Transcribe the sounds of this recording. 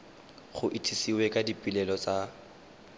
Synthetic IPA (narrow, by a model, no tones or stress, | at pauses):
χʊʔɪtʰisiwɛkʼadipʼilɛlɔt͡sʼa